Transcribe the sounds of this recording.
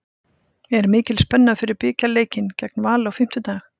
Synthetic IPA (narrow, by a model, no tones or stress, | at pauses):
ɛɾmɪːcɪlspɛnːafɪɾɪɾpɪːcaleːjcɪncɛknvaːlawfɪm̥t̪ʏt̪aːx